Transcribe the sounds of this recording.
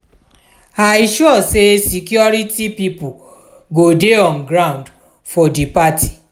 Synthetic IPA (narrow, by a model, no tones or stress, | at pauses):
aʃuɔsesikjɔɾitipipu | ɡodeɔ̃nɡɾãũnd | fɔdipati̥